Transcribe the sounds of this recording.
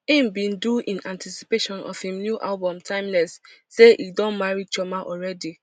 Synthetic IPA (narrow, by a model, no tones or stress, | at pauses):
ĩmbĩnduʔĩnãntʰisi̥peʃɔ̃nɔ̰v̥hĩmnjuʔalbɔ̃mtʰãɪ̃mlɛsːeʔidɔ̃nmaɹit͡ʃɔmaʔɔɹɛdi